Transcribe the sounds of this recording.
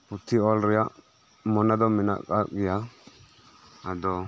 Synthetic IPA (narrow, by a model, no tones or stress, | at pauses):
pʊt̪ːɪɔlɾɪja | mɔnɐd̪ɔmɪna̰kʼːakʼːɪja | d̪ɔ